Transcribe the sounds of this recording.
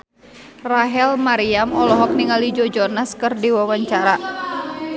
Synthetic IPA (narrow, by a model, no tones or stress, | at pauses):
raɦɛlmaɾiamɔlɔɦɔk̚niŋalid͡ʒɔd͡ʒɔnaskɨrdiwawaɲt͡ʃaɾa